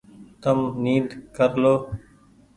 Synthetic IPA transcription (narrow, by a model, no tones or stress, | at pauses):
t̪əmniːd̪kəɾloː